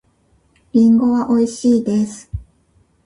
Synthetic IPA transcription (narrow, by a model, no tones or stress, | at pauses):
bʲĩŋɡo̞βaʔo̞iɕiːd̪e̞sɨ̥